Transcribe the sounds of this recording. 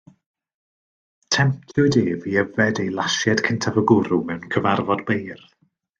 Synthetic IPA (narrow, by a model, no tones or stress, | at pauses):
tʰɛmp̚tʰʊdeːviːəvɛdejlˠaʃjɛd̥kʰəntʰavəɡʊɾʊmɛwnkʰəvarvɔdbejr